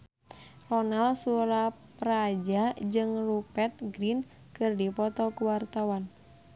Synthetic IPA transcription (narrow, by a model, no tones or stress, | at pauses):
rɔnalsuɾa | pɾad͡ʒad͡ʒɨŋrupɛt̪̚ɡɾin | kɨrdipɔt̪ɔkuwart̪awan